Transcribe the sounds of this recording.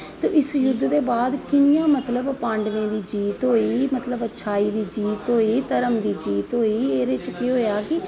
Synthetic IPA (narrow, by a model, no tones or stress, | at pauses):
t̪eːʔɪsjʊd̪ːd̪eːbaːd̪kɪnjãːmət̪ləbpãːɳɖʋẽːd̪iːd͡ʒiːt̪ɦoːiːmət̪ləbəːʃʰaːiːd̪iːd͡ʒiːt̪ɦoːiːt̪əɾəmd̪iːd͡ʒiːt̪ɦoːiːeːɾeːt͡ʃkiɦoːjaːkɪ